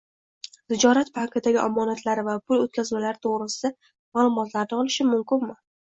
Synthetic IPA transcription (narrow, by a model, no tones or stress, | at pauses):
z̥ɪd͡ʒɒɾat̪pʰaqʰɨd̪aɡʲɪʔɒmːɒnat̪ʰlaɾɪvapʰʊlot̪̚kʲazmalaɾɪt̪ʰoʁɾɪsɪd̪a | maːlˠʊmɒt̪laɾd̪ɪɒlˠɪʃɪmʊmkʲɪnmɪ